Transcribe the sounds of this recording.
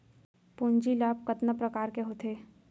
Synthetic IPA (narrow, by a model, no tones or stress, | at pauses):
puːɲd͡ʒilaːbkət̪nəpɾɐkaːɾkeɦoːt̪ʰeː